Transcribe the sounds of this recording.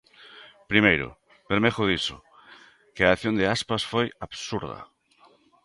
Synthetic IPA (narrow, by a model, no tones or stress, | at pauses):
pɾimejɾʊ̰ | beɾmexoðiso | keaːθjond̪easpasfojaβsuɾða̰